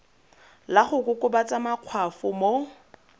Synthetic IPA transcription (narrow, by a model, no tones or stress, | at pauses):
laχʊkʼʊkʼʊbat͡sʼamaq͡χʰwafʊmo